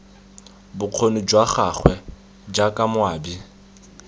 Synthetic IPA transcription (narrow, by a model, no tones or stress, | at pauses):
bʊq͡χʰonʊd͡ʒwaχaχʰwɛ | d͡ʒakʼamʊaːbi